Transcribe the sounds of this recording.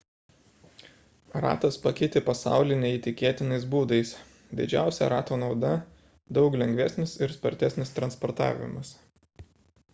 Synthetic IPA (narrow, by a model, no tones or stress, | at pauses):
ɾɑ̰ːt̪ɐspɐkʲɛɪt̪ʲɪpɐsɑ̰ˑʊlʲɪnʲɛit̪ʲɪkʲeːt̪ʲɪnɐɪs̬buːd̪ɐɪs | d̪ʲɪ̰d͡ʒʲæ̰ˑʊsʲɛ̰ɾɑːt̪oːnɒʊd̪ɐ | d̪ɒʊklʲɛŋʲɡʋʲɛsʲnʲɪsɪɾspɐɾʲt̪ʲɛsʲnʲɪst̪ɾɐnspɔɾt̪ɑ̰ːʋʲɪ̰mɐs